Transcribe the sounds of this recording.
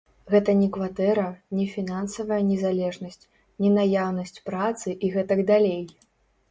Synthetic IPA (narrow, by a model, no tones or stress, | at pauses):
ɣɛt̪ɐnʲɛkvat̪ɛɾɐnʲɛfʲinansɐvɐjɐnʲɛzalʲɛʐnɐsʲt͡sʲ | nʲɛnajawnɐsʲt͡sʲpɾat̪sɨʔiɣɛt̪ɐɡd̪alʲej